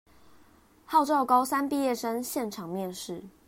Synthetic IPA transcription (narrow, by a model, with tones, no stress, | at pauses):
hɑ˥˧ʊʈ͡ʂɑ˥˨ʊkɑ˥ʊsa˦npi˥˧jɛ˥˨ʂə˦˥nɕjɛ˥˨nʈ͡ʂʰɑ˨˩ŋmjɛ˥˨nʂɻ̩˥˨